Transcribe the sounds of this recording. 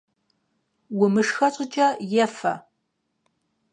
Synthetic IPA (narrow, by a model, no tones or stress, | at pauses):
wʊmɨʂxɐt͡ʃʼɪt͡ʃʼɐjɛfɐ̰